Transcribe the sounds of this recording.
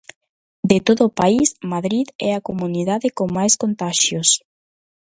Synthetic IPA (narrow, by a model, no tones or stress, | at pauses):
d̪et̪oðoːpaismaðɾiðɛakomuniðaðekoŋmajskont̪aʃjos